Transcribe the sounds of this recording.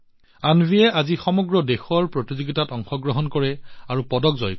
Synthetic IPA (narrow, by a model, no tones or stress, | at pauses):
anbʱijɛʔazixɔmɔɡɹɔdexɔɹpɹotizoɡitatɔŋxɔɡɹɔɦɔnkɔɹɛaɹupɔdɔkzɔ̰j